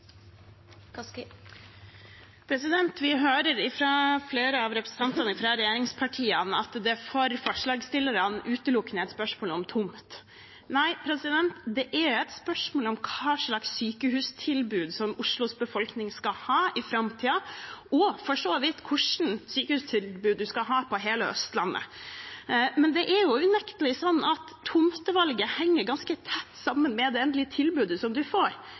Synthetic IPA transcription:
pʰɾɛsɪd̪ɛnt̪ʋɪɦøːɾəɾɪfɾɑfleːɾəɑʋɾɛpɾəsn̩t̪ʰɑnt̪ɑnəɪfɾɑɾɛjeːɾɪŋspʰɑʈʰiːənɑt̪d̪ɛfɔɾfɔʂɭɑːɡst̪ɪlːəɾɑnʔʉːt̪əlʊkːnəɛt̪spœʂmoːlɔmt̪ʰʊmt̪ | næɪpʰɾɛsɪd̪ɛnt̪d̪ɛʔæɾɛt̪spœʂmoːlɔmkʰɑːʂlɑksːyːkəhʉːst̪ʰɪlbʉːd̪sɔmʊʂlʊsbəfɔlknɪŋskɑhɑːɪfɾɑmt̪ʰiːɑʔɔfɔʂoːʋɪt̪ːkʰʊʂn̩syːkəhʉːst̪ʰɪlbʉːd̪̚d̪ʉskɑɦɑːpʰɔɦeːləœ̰st̪lɑnːə̰ | mɛnd̪ɛʔæɾjʊʉnɛkt̪əlɪsɔnːɑt̪ʰːʊmt̪əʋɑlɡəhɛŋːəɾɡɑnskət̪ʰɛt̪ːsɑmːənmɛd̪ɛɛnd̪lɪət̪ʰɪlbʉːd̪əsɔmd̪ʉfoːɾ

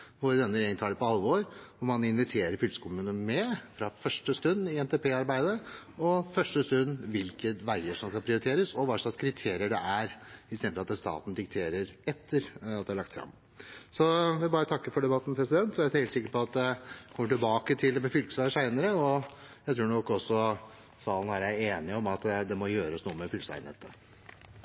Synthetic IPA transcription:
ʋʊɾd̪ɛnːəɾeɡənʰɑːləpɔɑlːʋoːɾɔmɑnɪnʋɪt̪ʰeːɾəɾfʏlsə̥kʰʊmʉːnənmɛfɾɑfœʂʈəst̪ʉnːɪɛnt̪ɛpʰeːɑɾbæɪd̪əɔfœʂʈəst̪ʉnːʋɪlkəʋæɪəʂɔmskɑnpʰɾɪʊɾɪt̪ʰeːɾəsɔʋɑʂlɑskʰɾɪt̪ʰeːɾɪəɖɛʔæɾɪst̪ɛd̪əɑt̪ɛst̪ɑ̰ːt̪n̩d̪ɪk̚t̪ʰeːɾəɾɛt̪ʰːəɾɑt̪d̪ɛæɭɑk̚t̪fɾɑ̰m | sɔʋɪæbɑːɾət̪ʰɑkːəɾfɔɖɛbɑt̪ːn̩pʰɾɛsɪd̪ɛnt̪ɔæɾheɪt̪sɪkːəɾpɔɑt̪̚d̪ɛkʰɔməʈɪlbɑːkət̪ʰɪlmɛfʏlkəsʋæəʂæɪnəɾəɔ | jæɪt̪ʰɾuːɳɔkːɔsːɔ | sɑːlənʋæːɾəæeːnɪɔmɑt̪d̪ɛmɔjøːɾəsnuːəmɛfʏlsæ̰ɪnɛ̰t̪ːə

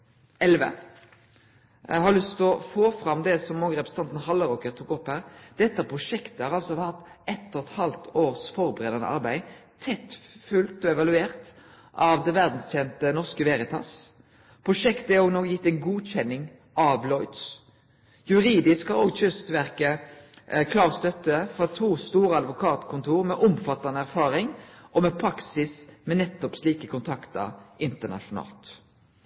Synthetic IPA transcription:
ɛlʋə̰ | hɑʁlʏst̪ɔfoːfɾɑmd̪ɛsɔmːɔːɡəɾɛpɾʁsnɑnt̪n̩hɑlːəɾɔkəɾt̪ʊkːɔphæːʁd̪̥ɛt̪ːəpʰʁʊʂɛkt̪əhɑʁɑlsɔhɑt̪ːɛt̪ːɔt̪hɑlt̪ʰoːɾsfɔɾbəʁeːd̪ɑnə̰ʔɑ̰ʁbæɪt̪ʰɛt̪fʉlt̪ɔɛʋɑlʉeːʁt̪ | ʔɑʋd̪ɛʋæɾd̪n̩st̪ʰjɛnt̪ənɔʁskəʋɛɾɪt̪ʰɑ̰s | pʰɾʊʂɛkt̪ɛoːɡnɔːɡjɪt̪ːɛɪnɡuːt͡ʃɛnːɪŋ | ʔɑʋlɔʏd̪s | jʉʁiːd̪ɪskhɑʁoːɡçœst̪ʋæʁkə | kʰlɑːʁst̪œt̪ːəfɔt̪ʰuːst̪uːʁəɑd̪ʋʊkʰɑːt̪kʰʊnt̪ʰuːʁmɛʔʊmfɑt̪ɑnəæʁfɑːɾɪŋʔɔmɛpʰɾɑksɪsmɛnɛt̪ːɔpsliːkəkʰʊnt̪ʰɑkt̪ə̰ɾʔɪnt̪əʁnɑ̰ʃʊnɑ̰ːlt̪

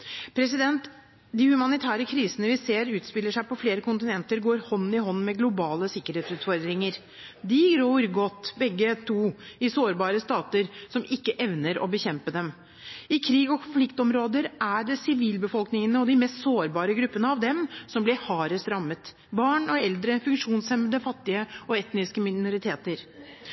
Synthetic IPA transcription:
pʰɾɛs̬ɪd̪ɛnt̪ | d̪ɪhʉmɑnɪt̪ʰæːɾəkʰɾiːsənəʋɪseːɾʉːt̪spɪlːəʂæɪpɔfleːɾəkʰʊnt̪ɪnɛnt̪əɾɡoːɾhɔn̩ːɪhɔnːmɛɡlʊbɑːləsɪkːəɾeːt̪sʉːt̪fɔɾd̪ɾɪŋəɾ | d̪ɪɡɾoːɾɡɔt̪ːbɛɡːət̪ʰuːɪsoːɾbɑːɾəst̪ɑːt̪əɾsɔmɪkːəʔɛʋnəɾɔ̰bəçɛmpəd̪ɛm | ɪkʰɾiːɡɔkʰʊnflɪkt̪ɔmɾoːd̪əɾæɖɛsɪʋiːlbəfɔlknɪŋənəɔd̪ɪmɛst̪soːɾbɑːɾəɡɾʉpːənəɑʋd̪ɛmsɔmblɪɾhɑːɾəst̪ɾɑmːət̪ | bɑːɳɔɛld̪ɾəfʉŋkʂuːnsɛməd̪əfɑt̪ːɪəɔɛt̪nɪskəmɪnʊɾɪt̪ʰeːt̪əɾ

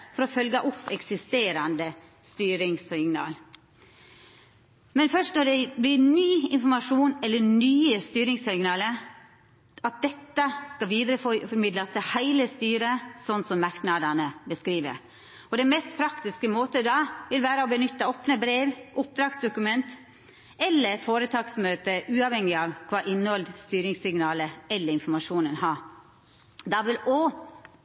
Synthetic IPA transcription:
fɔɾɔfœlɡəʔʊpːɛksɪst̪eːɾɑnd̪ə | st̪yːɾɪŋsɪŋnɑ̰ːl | mɛnfœʂt̪nɔɖɛblɪnyːɪnfɔɾmɑʂuːnɛlːənyːəst̪yːɾɪŋsɪŋnɑːlə | ɑt̪̚d̪ɛt̪ːəskɑʋiːd̪ɾəffɔɾmɪd̪lɑst̪ɪhæɪləst̪yːɾəsɔnːsɔmːɑɾknɑd̪ɑnəbəskɾiːʋə̰ɾ | ɔd̪ɛmɛst̪̚pʰɾɑkt̪ɪskəmoːt̪əd̪ɑʋɪlʋæːɾəɔbənʏt̪ːəoːpnəbɾeːʋʔʊp̚d̪ɾɑːɡsd̪ʊkʉmɛnt̪ | ɛlːəɾfoːɾət̪ʰɑːksmøːt̪əʔʉːɑʋhɛŋːɪɑʋkʰʋɑːʔɪnːhɔld̪st̪yːɾɪŋsɪŋnɑːləɛlːəɾɪnfɔɾmɑʂuːnənhɑː | d̪ɑʋɪlo

